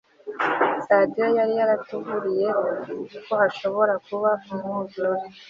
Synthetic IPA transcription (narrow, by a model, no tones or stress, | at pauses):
sadijojaɾijaɾatuɡuɾije | kohaʃo̞βo̞ɾakuβaumuzoɾi